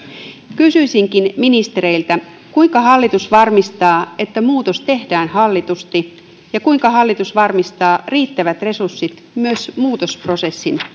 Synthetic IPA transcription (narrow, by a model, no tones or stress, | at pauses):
kysyisiŋkinminist̪eɾe̞ilt̪æ | kuijŋkɑɦɑlːit̪usʋɑrmist̪ɑːe̞t̪ːæmuːt̪ost̪e̞hdæːnhɑlːit̪ust̪i | jɑkuiŋkɑɦɑlːit̪usʋɑrmist̪ɑːriːt̪ːæʋæt̪re̞sursːit̪ | myøsmuːt̪o̞spro̞se̞sːin